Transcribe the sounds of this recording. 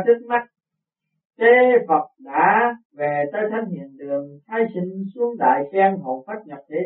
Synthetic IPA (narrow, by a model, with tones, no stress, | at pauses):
t̪ʰi˦˥k̚ma˦˥k̚ | ke˨˦˥və˨˩k͡p̚ɗa̰ː˧˥ve˨˩t̪əː˨˦jt̪ʰa˧˥ŋhḭ˧˨ənt̪ɨ˨˩əŋt̪ʰaː˨˦jsï˧ŋ̟su˨˦˥əŋɗa̰ː˧˨jsɛ˧nɦo̰˧˨faː˦˥t̚ɲə˨˩p̚t̪ʰe˨˦